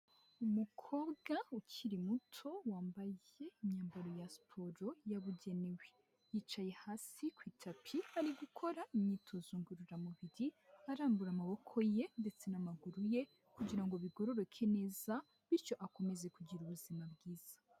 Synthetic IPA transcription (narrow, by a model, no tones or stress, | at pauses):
umukʰo̞ːbɡaucʰiɾimutʰo̞waːmbaje̞imɲaːmbaɾo̞jaspʰo̞ɾo̞jaβuɟe̞newe | jiːt͡ʃaje̞haːsikwiːtʰapʰiaɾiɡukʰo̞ɾaiɲɲitʰozuːŋɡuɾuɾamuβiɾiaɾaːmbuɾamaβo̞kʰo̞je̞nde̞t͡se̞namaɡuɾuje | kuɟiɾaŋɡo̞βiɡo̞ɾo̞ɾokʰene̞ːza | βiɾt͡ʃo̞ʔako̞me̞ze̞kuɟiɾuβuzimabɡiːz̥ḁ